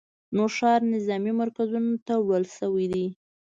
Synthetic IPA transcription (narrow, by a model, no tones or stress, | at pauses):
noʃɑɾnɪzɑmimaɾkazunot̪awəlʃəwid̪i